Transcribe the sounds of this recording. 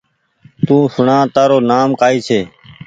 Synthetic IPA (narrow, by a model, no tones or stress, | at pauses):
t̪ũːsʊɳãːt̪aːɾoːnaːmkaːiːsʰeː